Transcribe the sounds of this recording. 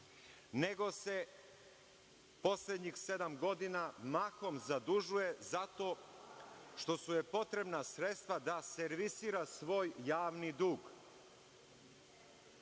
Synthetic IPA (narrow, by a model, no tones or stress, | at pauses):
ne̞ɡo̞se̞ | po̞sled̪ɲixse̞d̪amɡo̞d̪inamako̞mzad̪uʒuje̞zat̪o̞ː | ʃt̪o̞suje̞po̞t̪ɾe̞bnasɾe̞t̪st̪ʋad̪ase̞ɾʋisiːɾasʋo̞ːjːaːʋnid̪uːɡ